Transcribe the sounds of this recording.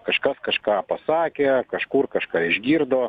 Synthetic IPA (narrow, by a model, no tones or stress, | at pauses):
kɐʃkɐskɐʃkɑːpɐsɑːkʲeːkɐʃkuːrkɐʃkɑːɪʒʲɡʲiːrd̪oː